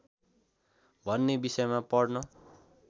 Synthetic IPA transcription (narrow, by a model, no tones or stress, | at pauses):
bʱʌnːebisʌjmapʌɽnʌ